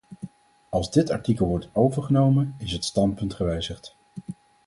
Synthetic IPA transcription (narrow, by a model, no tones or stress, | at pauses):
ɑlˠzdɪtɑ̰ɹtikəlˠʋɔɹtowvəɹχənowmənɪsɦətstɑntpɵntχəʋɛjzəχt